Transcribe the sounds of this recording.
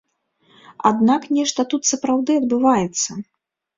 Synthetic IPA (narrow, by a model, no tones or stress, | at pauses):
a̰d̪naknʲɛʂt̪ɐt̪ut̪sɐpɾawd̪ɨɐd̪bɨvajɛt̪sːɐ